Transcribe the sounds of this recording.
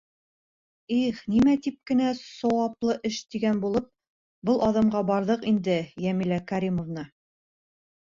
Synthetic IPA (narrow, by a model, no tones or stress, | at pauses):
iχnimæt̪ip̚kɘ̆næsɒwɑplˠɤʔɘʃt̪iɡænbulˠɤp̚ | bɤlˠʔɑðɤ̆mɢɑbɑɾðɤqind̪ɘjæmilækæɾʲimŏvnɑ